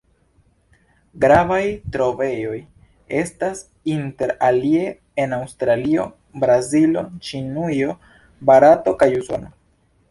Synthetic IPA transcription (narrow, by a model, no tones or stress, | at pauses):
ɡɾavajtɾo̞ve̞jo̞j | e̞stas | inte̞ɾalie̞ | enawstɾalio̞̰ | bɾazilo̞t͡ʃinujo̞ | baɾato̞kajuso̞̰no